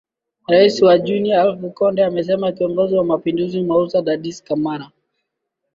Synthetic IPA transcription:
ɾaisiwad͡ʒunialfukɔndɛamɛs̬ɛmakiɔŋɡɔziwamapinduzimwaɾusaɗaɗiskamaɾa

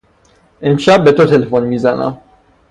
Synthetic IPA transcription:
emʃabɛt̪ot̪elefɔnmizana̰

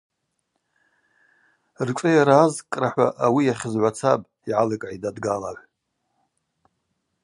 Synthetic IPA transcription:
rʈ͡ʂʷʼɨjaɾaːzkʼraħʷa̰ʔawijaχʲəzʕʷat͡sʰabʼ | iʕalɨkʼʕidadɡalaʕʷ

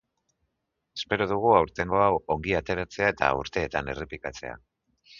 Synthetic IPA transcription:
e̞spe̞ɾoð̞uɣ̞uawɾt̪e̞ŋɡo̞awo̞ŋɡiat̪e̞ɾat͡se̞ae̞t̪a̰uɾt̪e̞ːt̪ane̞re̞pikat͡se̞̰a̰

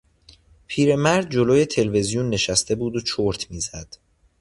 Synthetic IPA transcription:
pʰiːɾe̞mæɾd̪̚d͡ʒoloːje̞t̪ʰe̞lve̞zijunːe̞ʃæst̪ʰe̞buːd̪ot͡ʃʰoɾt̪ʰmiːzæd̪̥

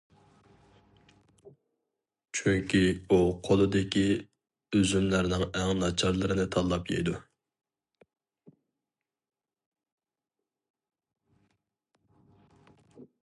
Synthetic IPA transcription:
t͡ʃʰyŋkʲʰiuqʰolˠɨd̪ɪkʲi | øzymlæɾnɪŋɛŋnɑt͡ʃʰɑɾlˠɨɾɨnɪt̪ʰɑllːˠɑpjḛjd̪u

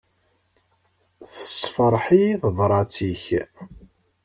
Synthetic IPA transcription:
θə̥sfəɾˤħiθəðˤɾˤɑt͡siç

